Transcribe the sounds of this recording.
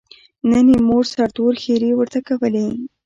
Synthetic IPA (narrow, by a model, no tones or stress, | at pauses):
nənemoʐsaɾd̪oɾxeɾewəɾt̪akawəle